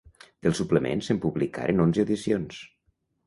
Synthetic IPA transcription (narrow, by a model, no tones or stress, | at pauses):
d̪̥əlˠsupləmḛnsempuβlika̰ɾʔenonzəəwðisions